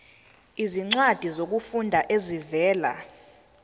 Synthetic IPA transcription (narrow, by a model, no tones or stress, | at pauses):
iziŋ͡ǀad̥ʱizok̬ufundʱaʔezivɛːla̰